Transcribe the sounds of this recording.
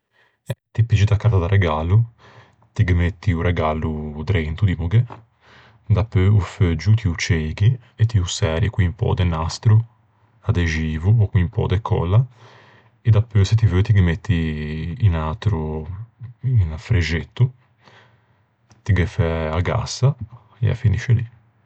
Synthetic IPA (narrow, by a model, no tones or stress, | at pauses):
ɛt̪ipit͡ʃid̪akaɾt̪ad̪aɾʔɛɡalu | t̪iɡemet̪ːiurʔɛɡalud̪ɾent̪ud̪imuɡɛ | d̪apːøufød͡ʒut̪iut͡ʃeɡi | ɛt̪ːiusɛːɾɛkiimpɔ̰ːd̪ɛnast̪ɾu | ad̪ɛd͡ʒiːvuɔkwimpɔ̰ːd̪ɛkʰːɔ̰lːa | ɛd̪apːøset̪ivøt̪iɡemet̪ʰːiː | nat̪ɾu | infɾed͡ʒet̪ːu | t̪iɡɛfɛaɡa̰sːa | ɛa̰fːiniʃɛli